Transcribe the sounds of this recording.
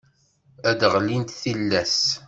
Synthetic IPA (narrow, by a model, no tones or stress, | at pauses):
æd̪ʁlint̪θilːæs